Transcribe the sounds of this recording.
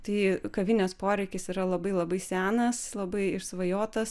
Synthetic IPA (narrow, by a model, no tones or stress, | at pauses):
t̪ɐɪkɐʋʲɪnʲoːspoːɾʲɛɪkʲɪsiɾɐlˠɐbɐɪlˠɐbɐɪsʲæːnɐslˠɐbɐɪɪɾsʋɐjoːt̪ɐs